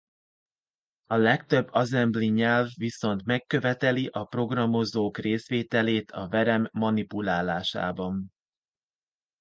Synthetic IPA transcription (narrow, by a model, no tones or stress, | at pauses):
ɒlɛkt̪ø̞bːɒzɛmbliɲɛlvːiso̞nt̪mɛkːø̞vɛt̪ɛliʔɒpro̞ɡrɒmo̞zoːkreːsʋeːt̪ɛleːt̪ʰɒvɛɾɛmːɒnipulaːlaːʃa̰ːbɒn